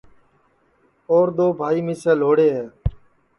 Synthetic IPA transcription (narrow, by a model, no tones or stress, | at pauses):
oːɾd̪oːbʱaːiːmiːsɛːloːɽeːɦeː